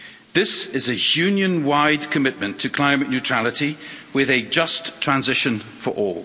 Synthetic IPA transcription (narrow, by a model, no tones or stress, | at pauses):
ðɪsɪzəjʉːnjə̃nwaɪdkʰəmɪʔ̚mə̃ntʰəkʰl̥ãɪ̃məʔⁿnjʉtʰɹ̥alɪtiwɪðəd͡ʒʌstʰɹ̥ãnzɪʃə̃nfə̰ɹʔɔ̰ːlˠ